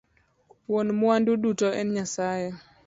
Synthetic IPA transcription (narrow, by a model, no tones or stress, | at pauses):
wonmwandudutɔɛnɲasajɛ